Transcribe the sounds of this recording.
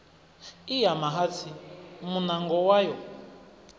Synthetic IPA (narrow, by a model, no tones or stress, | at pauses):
ijamaɦat͡sʰimunaŋɡɔwajɔ